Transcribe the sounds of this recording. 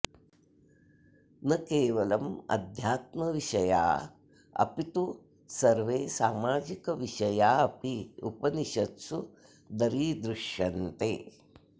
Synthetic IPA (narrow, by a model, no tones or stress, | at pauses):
nɐkeːʋɐlɐmɐ̰d̪ʱjaːt̪mɐʋiʃɐja̰ː | ɐ̰pit̪u | sɐɾʋeːsaːmaːd͡ʒikɐʋiʃɐjaːɐpiṵpɐniʃɐt̪su | d̪ɐɾiːd̪ɾuʃjɐnt̪eː